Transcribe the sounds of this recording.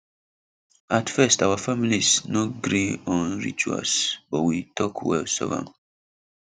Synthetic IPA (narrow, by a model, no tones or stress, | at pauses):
atfɛstawafamilisnoɡɾiɔ̃nɹḭt͡ʃua̰sbɔwitʰɔkʰwɛ̰lsɔ̰vã̰n